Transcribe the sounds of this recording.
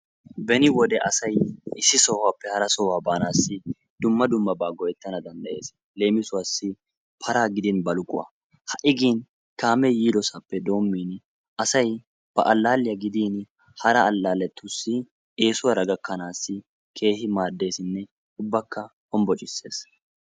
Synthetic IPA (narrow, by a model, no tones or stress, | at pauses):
bɛnɪwɔd̪ɛʔɐsɐjɪsːɪsɔhʊwaːpːɛhɐɾɐsɔwaːbaːnaːsːɪ | d̪ʊmːɐd̪ʊmːɐbaːɡɔjɛt̪ːɐnɐd̪ɐnd̪ɐʔe̞̰ːs | le̞ːmɪsʊwaːsːɪ | pʰɐɾaːɡɪd̪ɪnbɐlʊkʼʊ̰ʔɐ̰ | hɐʔɪɡiːn | kaːmɛjiːd̪ɔsapːɛd̪o̞ːmːiːn | ɐsɐj | b̥ɐ̰ʔɐlːaːlːɪjɐɡɪd̪iːn | hɐɾɐːlːaːlɛt̪ːʊsːɪ | e̞ːsʊwaɾɐɡɐkːɐnaːsːɪ | kʰe̞ːhɪmaːd̪ːe̞ːsɪnːɛ | ʊbːɐkːɐhɔmbɔt͡ʃʼɪsːe̞̰ːs